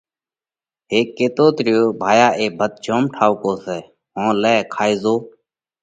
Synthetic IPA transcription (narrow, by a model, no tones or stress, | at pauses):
ɦeːkːeːt̪oːt̪ɾɪjoːbʱaːjaːʔeːbʱət̪̚d͡ʒoːmʈʰaːʋkoːsɛː | ɦõːlɛːkʰaːiːzoː